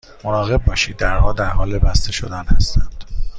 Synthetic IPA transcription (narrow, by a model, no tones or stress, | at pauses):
monɒːɣe̞b̚bɒːʃiːd̪̚ːæɾhɒːd̪æɾhɒːlebæst̪eʃod̪ænhæst̪ænd̪̥